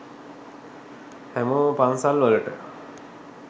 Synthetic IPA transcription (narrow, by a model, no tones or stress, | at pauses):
hɛmopansalʋoləʈə̰